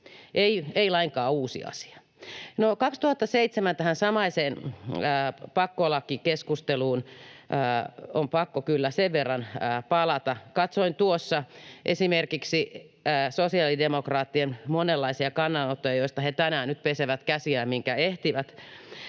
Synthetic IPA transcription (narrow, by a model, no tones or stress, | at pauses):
ʔeieilɑiŋkɑːuːsḭɑ̰si̥ɑ̥ | nokɑkst̪uhɑt̪ːɑseit̪semænt̪æhænsɑmɑiseːnəːpɑkːolɑkːikeskust̪eluːnː | ompɑkːokylːæseʋʋerːɑnːpɑlɑt̪ɑkɑt̪soint̪uosːɑʔesimerkiksiː | sosiɑːlidemokrɑːt̪ːienmonelːɑisiɑkɑnːɑnot̪ːojɑjoist̪ɑhet̪ænæːnnyt̪̚peseʋæt̪kæsiæmiŋkæeht̪iʋæt̪